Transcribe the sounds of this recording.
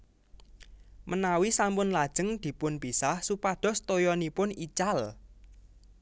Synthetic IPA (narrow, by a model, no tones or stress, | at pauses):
mənawisampʊnlad̥ʒ̥ə̤ŋd̪̥i̤pʊnbisahsupaɖ̪̥ɔ̤st̪ojɔnipʊnit͡ʃal